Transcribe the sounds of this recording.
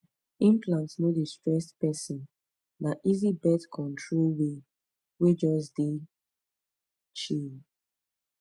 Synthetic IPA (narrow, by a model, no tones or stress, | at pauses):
ĩmplãntsnodistɹɛstpɛsĩn | naʔizibɛtkʰɔ̃ntʰɹolwe | wed͡ʒɔs̬de | t͡ʃin